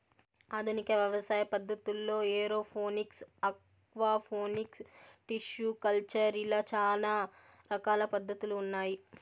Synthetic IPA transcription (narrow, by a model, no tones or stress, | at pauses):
aːd̪ʱunikɐʋjɐʋɐsaːjɐpɐd̪ʱːɐt̪ulːo̞ːeːɾo̞ːpʰoːniksɐk | ʋaːpʰoːniksʈiʃjukɐlt͡ʃɐɾilaːt͡ʃaːlaː | ɾɐkaːlɐpɐd̪ʱːɐt̪uluːnːaːji